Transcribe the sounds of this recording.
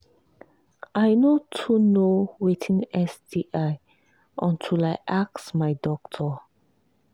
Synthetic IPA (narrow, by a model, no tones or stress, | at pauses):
ajnotʰunowitʰĩnɛsdiʔaɪ | ʔɔ̃ntʰilajʔak̚smajdɔk̚tʰə